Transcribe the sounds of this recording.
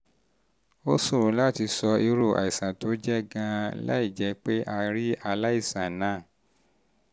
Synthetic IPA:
o˦su˦˨ɾũ˨˦la˦ti˧sɔ˧i˧ɾo˨a̰˨i˨sã˨to˨˦d͡ʒɛ˦ɡã˧la̰˦i˦˨d͡ʒɛ˨˧˦k͡pe˦ʔa˧ɾi˦a˧la˦i˦˨sã˨nãː˦˨

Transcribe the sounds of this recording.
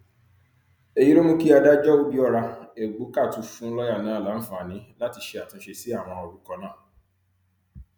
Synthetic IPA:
e˨ji˦ɾo˦mũ˦ki˦a˧da˦d͡ʒɔ˦u˦bi˦ɔ˦ɾa˧e˨ɡ͡bo˨˦ka˦˨tũ˨˦fũ˦lɔ˦ja˦˨nãː˦˨la˨˦n̩˦fã˦˨a˨nĩ˨˦la˦ti˧ʃe˧a˨tũ˧˦ʃe˧si˦a˦˨w̃ɔ̃˧ɔ˧ɾu˦kɔ˧nãː˦˨

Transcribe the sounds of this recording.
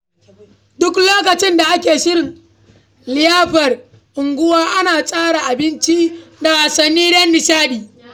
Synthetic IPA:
dʊ˦kloː˦k̬ɐ˨t͡ʃɪ˦nda˨ʔa˦kʲeː˨ʃɪ˦ɾɪ˨ŋ | lɪ˨jaː˦ɸɐ˨r | ʔɪ˨ŋɡʷʊ˦waː˦ʔa˦naː˨sʼaː˦ɽa˨ʔa˨bɪ˦nt͡ʃi˦da˨a˨sɐ˨nːiː˦dɐ˦nːɪ˨saː˦ɗiː˨

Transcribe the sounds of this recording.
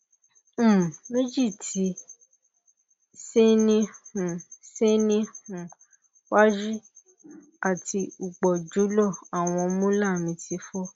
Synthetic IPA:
me˦d͡ʒi˦˨tʰi˧˦ | se˦nĩ˦hũ˨se˦nĩ˦hũ˨ | wa˦d͡ʒi˦ | a˦˨ti˧u˨k͡pɔ˨d͡ʒu˨˦lɔ˦˨a˨w̃ɔ̃˧mũ˦la˦˨mĩ˧tʰi˨˧˦fɔ˦

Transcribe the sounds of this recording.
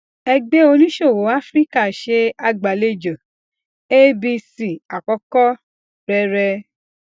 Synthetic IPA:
ɛ˧ɡ͡be˦o˧nĩ˦ʃo˦˨wo˨˦a˦fɾi˦ka˦˨ʃe˧a˧ɡ͡ba˨le˦˨d͡ʒã˨ | e˦bi˧si˨a˨kɔ˧˦kɔ˦ | ɾɛ˧˦ɾɛ˧

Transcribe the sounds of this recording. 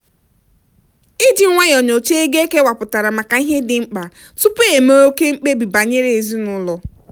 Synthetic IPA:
i˦d͡ʒi˨˦ŋʷa˦jɔ˨ɲo˨t͡ʃe˦e˦ɡe˦ke˦wa˨pʊ˨ta˨ɾa˨ma˨ka˨i˦ɦe˦dɪ˨ŋ͡m̩˦k͡pa˨ | tʊ˦pe˨me˦o˦ke˦ŋ͡m̩˦k͡pe˦bi˨ba˨ɲe˦ɾe˨e˨zi˦nʊ˦lɔ˨

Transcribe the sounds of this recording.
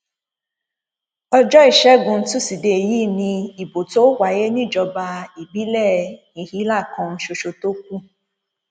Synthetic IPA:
ɔ˧d͡ʒɔ˦i˦˨ʃɛ˦ɡũ˨˧n̩˦tũ˦si˨de˨jiː˦˨nĩ˧i˨bo˨to˦wa˨je˦nĩ˦˨d͡ʒɔ˧ba˧i˨bi˦lɛ˦˨nĩ˨hi˦la˦˨kɔ̃˧n̩˦ʃo˧ʃo˧to˦k̚ʷu˦

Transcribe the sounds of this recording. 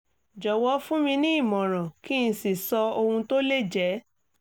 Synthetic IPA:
d͡ʒɔ˨wɔ˧˦fũ˦mĩ˧nĩ˦i˦˨mɔ̃˨ɾ̃ã˨ki˦˧si˨sɔ˧o˧hũ˧to˦le˦˨d͡ʒɛ˨˦

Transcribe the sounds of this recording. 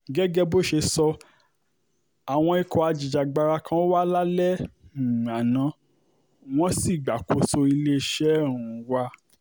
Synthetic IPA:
ɡɛ˦ɡɛ˦bo˦ʃe˧sɔ˧ | a˨w̃ɔ̃˧i˧kɔ˨a˧d͡ʒi˨d͡ʒa˨ɡ͡ba˧ɾa˧kʰã˦o˦wa˦la˦lɛ̃˦˨ | a˨nã˨˦ | w̃ɔ̃˦si˦˨ɡ͡ba˨ko˧so˧i˧le˦˧˦ʃɛ˦˨ɾ̃ũ˨˦wa˧

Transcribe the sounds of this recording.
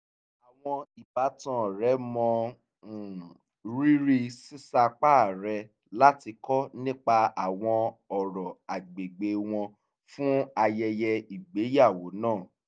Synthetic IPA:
a˨w̃ɔ̃˧i˨ba˨˦tã˨˦˨ɾɛ˨˦mɔ̃˧˨ | ɾi˦ɾi˦si˦sa˧k͡pa˦˨ɾɛ˧ | la˦ti˧kɔ˦nĩ˦k͡pa˧a˨w̃ɔ̃˧ɔ˨ɾɔ˨a˨ɡ͡be˨ɡ͡be˧w̃ɔ̃˧ | fũ˦a˧jɛ˧jɛ˧i˨ɡ͡be˨˦ja˦˨wo˨˦nãː˦˨

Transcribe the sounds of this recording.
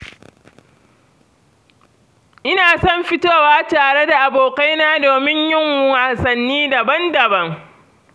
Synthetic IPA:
ʔɪ˦naː˨sɔ˦mɸɪ˦toː˦˨waː˦taː˨ɽe˦da˨ʔa˨boː˨ka˦jnaː˦doː˨mɪ˦ɲjɪ˦ŋwaː˨sɐ˨nːiː˦da˨bɐ˦ndɐ˨bɐ˦ŋ

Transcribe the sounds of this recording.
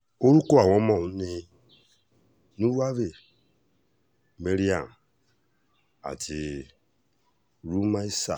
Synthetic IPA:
o˦ɾu˦ko˦a˨wɔ˦mɔ˨u˦ne˦ | nu˦wa˦ve˨ | me˦ɾi˦a˨m | a̰˨ti˨ | ɾu˦ma˦i˦sa̰˨

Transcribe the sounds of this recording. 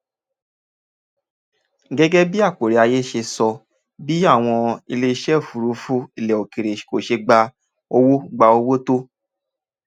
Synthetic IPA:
ɡɛ˦ɡɛ˦bi˦a˦˨k͡po˨ɾe˨a˧je˦ʃe˧sɔ˧ | bi˦a˦˨w̃ɔ̃˧i˧le˧i˧ʃɛ˦˨fu˨ɾu˨˧˦fũ˦i˨lɛ˨o˨ki˨ɾe˨ʃko˨ʃe˧ɡ͡ba˧ | o˧wo˦ɡ͡ba˧o˧wo˦to˦

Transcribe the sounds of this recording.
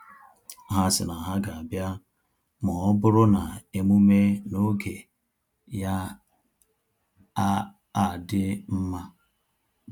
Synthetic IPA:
ɦa˦sɪ̰˨na˨ɦa˦ɡa˨a˨bja˦ | mɔ˨ɔ˦bʊ˦ɾʊ˦na˨e˦mu˦me˦no˦ɡe˨ | ja˦ | a˦ | a˨dɪ˦m̩˦ma˦

